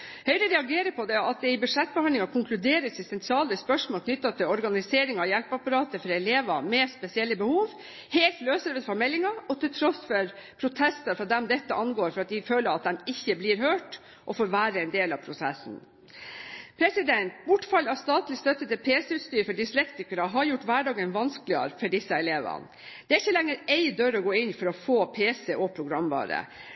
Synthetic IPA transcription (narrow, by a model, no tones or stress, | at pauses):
hœʏɾəɾɛɑɡeːɾəpʰɔd̪ɛɑt̪̚d̪ɛɪbʉʂɛt̪̚ːbɛhɑnd̪lɪŋɑkʰʊŋkʰlʉd̪eːɾəsɪst̪ɛnt̪ʰɾɑːləspœʂmoːlkʰnʏt̪ːɑt̪ʰɪlɔɾɡɑnɪseːɾɪŋɑjɛlpɑpɑɾɑːt̪əfɔɾɑɛleːʋɑ̰mɛspɛsɪɛlːəbəhuːʋ | heːlt̪løːsəɾʋɛd̪fɔɾmɛlːɪŋɑɔt̪ʰɪlt̪ʰɾɔsfɔɾpʰɾʊt̪ʰɛst̪əɾfɾɑd̪ɛmd̪ɛt̪ːəʔɑnɡoːɾfɔɾɑt̪̚d̪ɪføːləɾɑt̪̚d̪ɛmɪçːəblɪɾɦøːʈ | ʔɔfoːɾʋæːɾəɛnd̪eːlɑpʰɾʊsɛsn̩ | pʰɾɛsɪd̪ɛnt̪bʊʈːfɑlːɑʋst̪ɑːt̪lɪst̪œt̪ːət̪ɪlpʰeːsɛʉːt̪st̪yːɾfɔɖiːslɛkt̪ɪkəɾəɦɑɾjʊʈːʋæːɖɑːɡənʋɑnsklɪə̰ɾfɔɖɪsːəɛleːʋə̰n | d̪̥ɛæɾɪçːəlɛŋːəɾɛɪd̪øɾɔɡoːɪnfɔɾɔfoːpʰeːsɛʔɔpʰɾʊɡɾɑmʋɑ̰ːɾə̰